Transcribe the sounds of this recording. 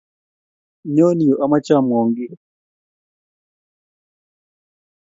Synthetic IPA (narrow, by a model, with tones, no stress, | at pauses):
ɲɔ˦ni˨jɔ˨ʔa˨ma˦t͡ʃa˦˨m˨ɔ˨ŋɡi˦